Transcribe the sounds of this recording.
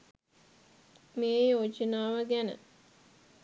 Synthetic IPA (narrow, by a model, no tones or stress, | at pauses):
mejoːd͡ʒənaːʋəɡænə̰